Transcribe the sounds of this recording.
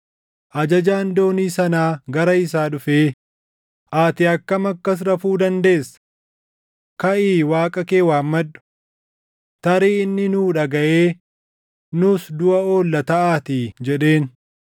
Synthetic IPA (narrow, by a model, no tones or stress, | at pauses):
ʔɐd͡ʒɐd͡ʒaːnd̪o̞ːniːsɐnaːɡɐɾɐɪsaːᶑʊfeː | ʔaːt̪ɪɐkːɐmɐkːɐs̬ɾɐfuːd̪ɐnd̪e̞ːsːɐ̥ | kɐʔiːwaːkʼɐkeːwaːmːɐᶑːʊ̥ | t̪ɐɾiːɪnːɪnuːᶑɐɡɐʔeː | nʊsd̪ʊʔɐo̞ːlːɐt̪ɐʔaːt̪id͡ʒɛᶑe̞ːn